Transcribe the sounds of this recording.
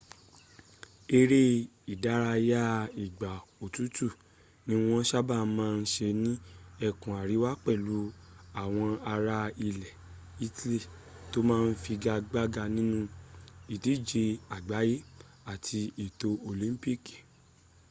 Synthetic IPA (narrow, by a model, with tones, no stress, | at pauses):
e˧ɾe˦i˨da˨˦ɾa˧ja˦i˨ɡ͡ba˨o˨tu˨˦tu˦˨ | nĩ˧w̃ɔ̃˦ʃa˦ba˦˨˦mãː˦˧n̩˦ʃe˧nĩ˦ɛ˦˨kũ˨a˨ɾi˨˦wa˦k͡pɛ˦˨lu˨˦a˦˨w̃ɔ̃˧a˧ɾa˧i˧˨lɛ˨ | i˧ti˦le˦˨ | to˦mãː˦˧n̩˦fi˧ɡa˧ɡ͡ba˦ɡa˧nĩ˦nũ˧i˨ti˨˦d͡ʒe˧a˨ɡ͡ba˨˦je˦ | a˦˨tʰi˧i˨to˧o˨lĩ˦m˦pi˦ki̥˨